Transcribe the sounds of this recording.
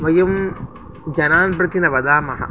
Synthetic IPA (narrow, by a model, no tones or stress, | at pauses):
ʋɐjɐm | d͡ʒɐnaːnpɾɐt̪inɐʋɐd̪aːmɐɦɐ̰